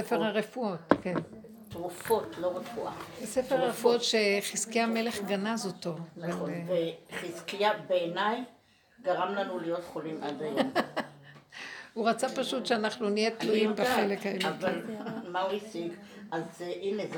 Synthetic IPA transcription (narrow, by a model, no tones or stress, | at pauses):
sefeʁhaʁefuotken | t̪ʁufo̞t̪lo̞ʁefuʔasefeʁaʁefuo̞tʃeχiskijamele̞χɡanazotonɡaloveχiskijabeːnaj | ɡaʁamlanulijo̞tχolimʔad̪ajom | uʁat͡sapaʃutʃeanaχnunijet̪lujimbaχelekhaeltvalmauisiɡ | ʔazʔinez